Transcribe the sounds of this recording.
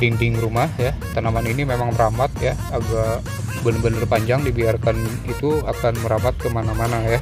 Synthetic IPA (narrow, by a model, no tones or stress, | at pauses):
diŋdɪŋɾumahjat̪anamaninimemaŋməɾamat̪jaːɡa | bənəbənərpaɲd͡ʒaŋdibiarkan | it̪uakanməɾamat̪̚kəmanamanaja